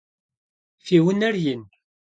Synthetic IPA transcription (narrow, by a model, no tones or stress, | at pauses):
fiwənæɾjən